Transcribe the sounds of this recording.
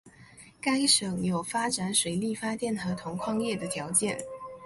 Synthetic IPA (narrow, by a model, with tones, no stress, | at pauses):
ka˥ɪʂɤ˨˩˦ŋjo˨˩ʊfa˥ʈ͡ʂa˨˧˥nʂwe˨˩ɪli˥˩fa˥t̪jɛ˥˩nxɤ˧˥t̪ʰʊ˧˥ŋkʰwɑ˥˧ŋjɛ˥˩d̪ə˩t̪ʰjɑ˧˥ʊt͡ɕjɛ˥˩n